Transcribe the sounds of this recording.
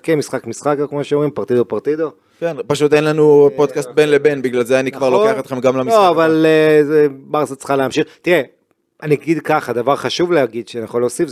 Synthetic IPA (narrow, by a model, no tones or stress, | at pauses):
kemisχakmisχakakmoʃeomʁimpaʁt̪id̪o̞paʁt̪id̪o̞ | kenpaʃut̪enlanupod̪̚kast̪̚benlebenbiɡlalzeanikvaʁloeaχot̪χe̞mɡamlamisoavalezebaʁsat͡sχaleamʃiχt̪iʁe | aniɡid̪kaχad̪avaʁχaʃuvlehaɡid̪ʃenijaχoloːsif